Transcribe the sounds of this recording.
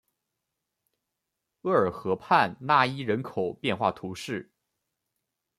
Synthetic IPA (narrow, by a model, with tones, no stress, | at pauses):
ɤ˥˩ə˞˨˩xɤ˧˥pʰa˥˧nna˥˩i˥ɻə˧˥nkʰo˨˩ʊpjɛ˥˧nxwa˥˩t̪ʰu˧˥ʂɻ̩˥˩